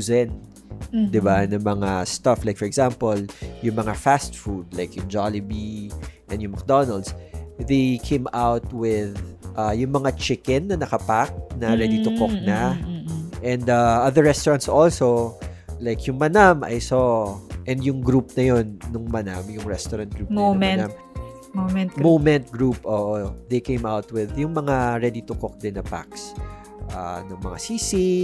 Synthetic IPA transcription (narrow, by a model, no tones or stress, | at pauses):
zɛn | d̪ɪbanɐmɐŋast̪ɐflajk̚fɔɹɛɡz̥ampoljʊŋmɐŋafast̪fud̪̚lajkjʊŋd͡ʒalɪbiʔɛnd̪jʊŋmɐk̚d̪onɐld̪sðejkʰẽjmawt̪̚wɪðʔajʊŋmɐŋat͡ʃɪkɛnːɐnɐkɐpak̚nɐɾɛd̪it̪ʊkoknɐ | ʔɛ̃nd̪aʔɐðəɹːɛst̪ɔɹɐnt̪sʔolsolajkjʊŋmɐnamʔɐ̰jsoʔɛnd̪jʊŋɡɾup̚nɐjonːʊŋmɐna̰mjʊŋɹɛst̪ɔɾɐnt̪̚ɡɾupomɛnam | momɛnt̪momɛnt̪̚ɡɹupʔoːʔod̪ejkejmawt̪̚wɪðjʊŋmɐŋaɹɛd̪it̪ʊkok̚d̪ɪnːɐpa̰ks | ʔa̰nɐŋmɐ̰ŋa̰siːsi